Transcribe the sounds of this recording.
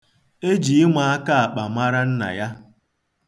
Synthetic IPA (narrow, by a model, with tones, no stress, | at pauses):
e˦d͡ʒi˨ɪ˦ŋʷa˨a˦ka˦a˨k͡pa˨ma˦ɾa˦n̩˦na̰˨ja˦